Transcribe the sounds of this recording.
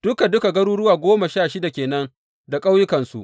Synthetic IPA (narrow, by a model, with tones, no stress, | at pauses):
d̥ʊ˦ka˨dʊ˦ka˨ɡɐ˦ɾuː˦ɽʊ˦waː˨ɡʷoː˦ma˨ʃaː˦˨ʃɪ˦da˨kʲeː˨nɐ˦n | da˨kʼa˦wjʊ˦kɐ˨nsu˨ʔ